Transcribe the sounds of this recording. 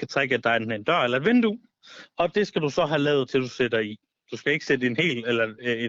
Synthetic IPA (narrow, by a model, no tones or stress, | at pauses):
kʰæt͡sʰʁaɡ̥əæd̥ɑ̈ɪnend̥ɶɐ̰elɐe̝nʋend̥u | ɒ̽d̥e̝sɡ̥æd̥usɒ̽ɦælɛ̰ːʊð̩ˠt͡sʰe̝ld̥used̥ɐi | d̥usɡ̥æe̝ɡ̥ə̥sed̥əe̝nhe̝̰ːlelɐe